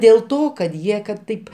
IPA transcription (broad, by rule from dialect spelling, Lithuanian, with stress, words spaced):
dʲeːlˠ ˈtoː kɐt ˈjiɛ kɐt ˈtɐɪp